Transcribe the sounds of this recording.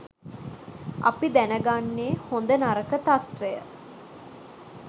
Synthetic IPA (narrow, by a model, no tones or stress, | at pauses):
a̰pid̪ænəɡanːeːhond̪ənaɾəkət̪at̪ʋejə̰